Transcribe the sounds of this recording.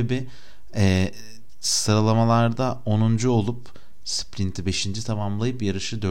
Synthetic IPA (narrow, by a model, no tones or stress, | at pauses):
ebɪ | ɛː | sɯɾalˠamalˠaɾd̪aonund͡ʒuo̞lˠup | splʲint̪ʰibe̞ʃind͡ʒit̪ʰamamlˠajɯpjaɾɯʃɯd̪ø